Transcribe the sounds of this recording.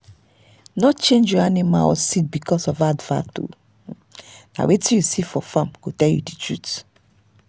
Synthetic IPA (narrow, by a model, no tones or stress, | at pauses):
nɔtt͡ʃẽnd͡ʒjɔanima̰lɔ̰sit̚bikɔsɔvadva̰to̰ | na̰wetijusifɔfãmkotɛljṵditɹut